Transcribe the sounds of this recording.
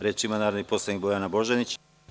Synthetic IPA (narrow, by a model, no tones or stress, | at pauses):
ɾeːt͡ʃimanaːɾaniposlˠad̪ikbo̞janabo̞ʒenit͡ɕ